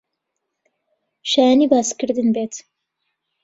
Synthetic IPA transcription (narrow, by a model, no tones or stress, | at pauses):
ʃajaniːbaːskɨɾd̪ɨnbeːt̪